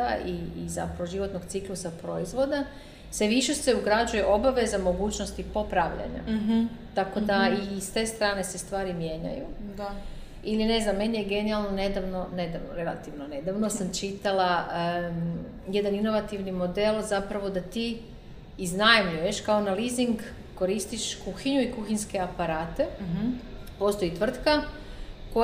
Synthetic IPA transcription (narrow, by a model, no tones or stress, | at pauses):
aiːza̰pɾaʋo̞ʒiʋo̞t̪noɡt̪siklusapɾo̞izʋo̞d̪a | seʋiʃe̞se̞uɡɾad͡ʒuje̞ʔo̞baʋe̞zamo̞ɡuːt͡ɕno̞st̪ipo̞pɾaʋʎa̰ɲa̰t̪ako̞d̪aist̪e̞st̪ɾaːne̞se̞st̪ʋaːɾimje̞ːɲa̰jud̪a | iline̞znamːe̞nijeɡe̞nialˠnone̞d̪aʋno̞ne̞d̪aʋnoɾe̞la̰t̪iʋnone̞d̪aʋnosamt͡ʃit̪alaə | je̞d̪anino̞ʋat̪iʋnimo̞d̪e̞lˠzapɾaʋo̞d̪at̪iː | znajmʎuje̞ʃkao̞naliziŋɡː | o̞ɾist̪iʃkuxiɲuikuxiɲske̞apaɾaːt̪e̞ | po̞ːst̪o̞jit̪ʋr̩t̪ka | ko